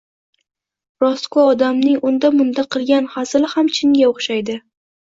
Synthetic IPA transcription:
ɾɒskoɒd̪amnɪŋʊnd̪amʊnd̪aqʰɨlˠɡʲanhasɪlɪhamt͡ʃʰɪŋɡʲaoχʃajd̪ɪ

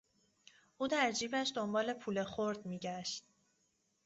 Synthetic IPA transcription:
ʔuːd̪æɾd͡ʒiːbæʃd̪o̞mbɒːle̞pʰuːle̞xoɾd̪miːɟæʃt̪̚

